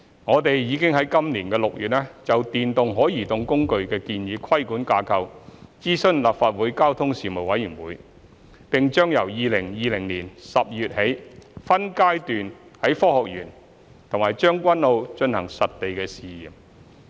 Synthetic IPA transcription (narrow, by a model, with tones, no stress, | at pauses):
ŋɔː˨˧t̪e˨jjiː˨˧kɪ˥ŋɦɐ˨˥jkɐ˥mliː˨˩nkɛː˧lʊ˨k̚jyː˨t̚ʔɛː˥t͡sɐ˨wt̪iː˨nt̪ʊ˨ŋɦɔː˨˥jiː˨˩t̪ʊ˧ŋkʊ˥ŋkɵ˧ɥkɛː˧kiː˧njiː˨˧kʰɐ˥jkuː˨˥nkaː˧kʰɐ˧wt͡siː˥sɵ˥nlaː˨p̚faː˧t̚wuː˨˥jkaː˥wt̪ʰʊ˥ŋsiː˨mo˨˩wɐ˨˥jyː˨˩ŋwuː˨˥j | pɪ˨ŋt͡ʃœː˥ŋjɐ˨˩wjiː˨˧lɪ˨˩ŋjiː˨lɪ˨˩ŋliː˨˩nsɐ˨p̚jyː˨t̚he˨˥jfɐ˥nkaː˥jt̪yː˨nhɐ˨˥jfɔː˥hɔː˨k̚jyː˨˩n | t̪ʰʊ˨˩maː˨˩jt͡ʃœː˥ŋkʷɐ˥nlo˧wt͡ʃɵ˧nhɐ̰˨˩ŋsɐ˨t̚t̪e˨jkɛː˧siː˨jiː˨˩m